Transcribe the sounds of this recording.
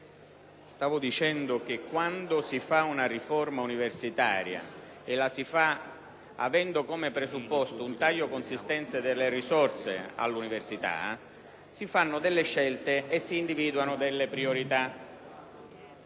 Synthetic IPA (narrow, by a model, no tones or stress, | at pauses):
st̪aːvʊd̪it͡ʃɛnd̪ʊk̟ekːwand̪ʊsifaunarifɔrmauniversit̪a̰ːɾja̰ | elasifa | a̰vɛnd̪ʊkɔmepɾezupːɔst̪ʊunt̪aʎːokonsist̪ɛnt̪sed̪elːerisɔrt̪sḛa̰lːuniversit̪a̰ | sifanːʊd̪ɪlːeʃːɛlt̪eesːiːnd̪iviːd̪wanʊd̪elːepɾioɾit̪a